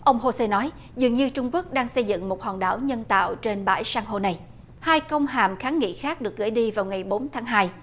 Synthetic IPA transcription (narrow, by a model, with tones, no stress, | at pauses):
ʔə˧wŋ͡mɦo˧se˧nɔ˨˦j | zɨ˨˩əŋɲɨ˧t͡ɕʊ˧ŋ͡mku˦˥ək̚ɗaː˧ŋsə˧jzɨ̰˧˨ŋmo˨˩t̚ha̰ː˨˩nɗa̰ː˧˩wɲə˧nt̪a̰ː˧˨wt͡ɕe˧nɓa̰ː˧˩jsaː˧ŋɦo˧na˨˩j | haː˧jkə˧wŋ͡mɦaː˨˩mxaː˨˦nŋḭ˧˨xaː˦˥k̚ɗɨ˨˩ək̚ɣɨ̰˧˩əjɗi˧vaː˨˩wŋa˨˩jɓo˨˦nt̪ʰaː˨˦ŋɦaː˧j